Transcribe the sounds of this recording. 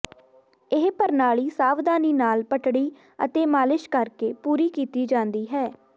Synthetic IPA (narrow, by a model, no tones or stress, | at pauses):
ɪɦpəɾnaːɭiːsaːʋd̪aːniːnaːlpəʈɽiː | ə̰t̪eːmaːlɪʃkəɾkeːpuːɾiːkiːt̪iːd͡ʒãːnd̪iːɦɛː